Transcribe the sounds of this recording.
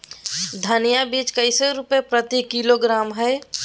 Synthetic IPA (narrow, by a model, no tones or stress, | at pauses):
d̪ʱənɪjabiːt͡ʃkəɪseɾʊpepɾət̪ikiloɡɾaːmɦɛː